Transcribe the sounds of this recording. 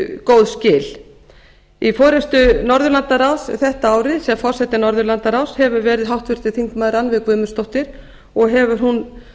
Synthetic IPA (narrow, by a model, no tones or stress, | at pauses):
kowðscɪːl | ifɔːɾɛst̪ʏnɔɾðʏɾlant̪aɾawsθɛht̪aaːwɾɪðsɛafɔr̥sɛht̪ɪnɔɾðʏɾlant̪aɾawshɛvʏɾvɛːɾɪðɦawht̪vɪɾ̥t̪ɪθiŋkmaːðɾanvɪðkvʏːmʏ̥st̪owht̪ɪɾ̥ | ɔɣɦɛvʏɾ̥ɦun